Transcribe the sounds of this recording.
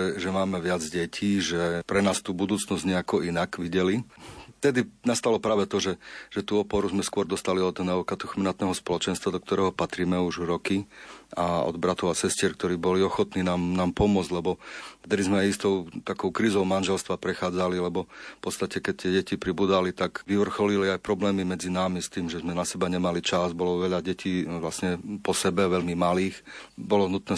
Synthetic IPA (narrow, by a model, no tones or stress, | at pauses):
ɛʒɛmaːmɛʋɪad͡zɟɛcʰiːʒɛpɾɛnaːst̪uːbud̪uːt͡snɔzɟɲɛakɔinakʋiɟɛlift̪ɛd̪inast̪alɔpɾaːʋɛt̪ɔʒɛʒ̥ɛt̪uːɔpɔɾuzmɛskʊɔɾd̪ɔst̪aliɔd̪nɛɔkat̪uxminat̪nɛɦɔspɔlɔt͡ʃɛnst̪ʋad̪ɔkt̪ɔɾɛːɦɔpat̪ɾiːmɛuʒɾɔkiaɔ̰d̪bɾat̪ɔʊasɛscɪɛɾkt̪ɔɾiːbɔliɔxɔt̪niːnaːmnaːmpɔmʊɔd͡zɟʲlɛbɔɛd̪ɛlizmɛajist̪ɔʊt̪akɔʊkɾiːzɔʊmanʒɛlst̪ʋapɾɛxaːd͡zalilɛbɔfpɔt̪st̪acɛkɛc̚t̪ɪɛɟɛcipɾibuːd̪alit̪aɡʋiʋr̩xɔliliajpɾɔblɛːmimɛd͡zinaːmist̪iːmʒɛzmɛnasɛbaɲɛmalit͡ʃazbɔlɔʋɛʎaɟɛciːʋlasɲɛpɔsɛbɛʋɛʎmimaliːxbɔlɔnut̪nɛː